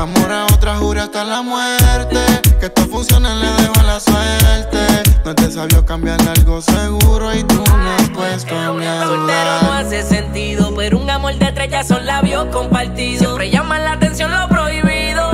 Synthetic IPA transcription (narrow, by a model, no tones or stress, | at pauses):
amoɾaot̪ɾahuɾast̪alamweɾt̪eket̪ofunsjoneleðeβwalasweɾt̪enot̪esaβjo̞kambjaɾlalɣo̞seɣuɾo̞it̪unopwest̪ouneesolt̪eɾonoasese̞nt̪iðo̞peɾuŋamo̞ld̪et̪ɾeʝasonlaβjo̞ko̞mpaɾt̪iðseopɾeʝamãnlaːt̪e̞nsjo̞nlo̞pɾo̞iβiðo̞